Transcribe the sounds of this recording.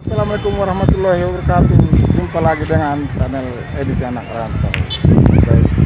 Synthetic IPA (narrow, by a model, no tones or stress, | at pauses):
asalamalekumwaɾahmat̪ulahiwabərkat̪ud͡ʒumpalaɡidəŋant͡ʃanɛl | edisianak̚aɾahmt̪ul̰ɡais